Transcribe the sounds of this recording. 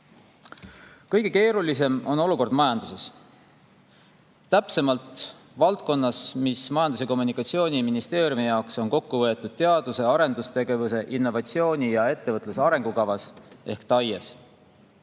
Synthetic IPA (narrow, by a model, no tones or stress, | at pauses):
kɤjɡ̥e̞ke̞ːɾulise̞mo̞no̞luko̞rd̪̥mɑjɑnd̪̥use̞s | t̪æpse̞mɑlt̪ˑ | vɑlt̪̚ko̞nːɑsmismɑjɑnd̪̥use̞ko̞mːunikːˑɑt̪sio̞ːnʲiminist̪e̞ːɾjumijɑokso̞nko̞kːuvɤ̞e̞t̪ːˑud̪̥̚t̪e̞ɑd̪use̞ɑɾe̞nd̪ust̪e̞ɡe̞vuse̞ʔinːo̞vɑt̪sio̞ːnʲijɑe̞t̪ːe̞vɤt̪ˑlusɑɾe̞ŋɡ̥ukɑvɑse̞hkt̪ɑjes